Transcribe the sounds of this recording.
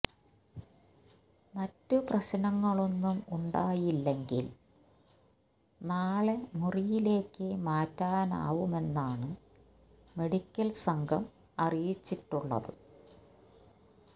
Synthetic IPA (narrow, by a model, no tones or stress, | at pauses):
mɐtːɨprɐɕɐnɐŋːɐɭo̞nːumuɳɖaːjilːeŋɡil | naːɭe̞murijile̞ːkːɨmaːtːaːna̰ːʋume̞nːaːɳɨ | me̞ɽikʲːɐlsɐŋɡʱɐm | ɐrijit͡ɕːiʈːuɭːɐ̰ðɨ̰